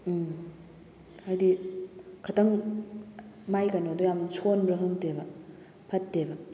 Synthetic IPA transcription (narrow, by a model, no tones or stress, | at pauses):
ajdi | kʰɐtɐŋ | majkanodujamsʰonbɾɐɦɯŋtebɐ | pʰɐtːebɐ